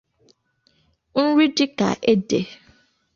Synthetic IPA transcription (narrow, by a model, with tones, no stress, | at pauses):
n̩˦ɾi˦dɪ˦ka̰˨ʔe˦dḛ˨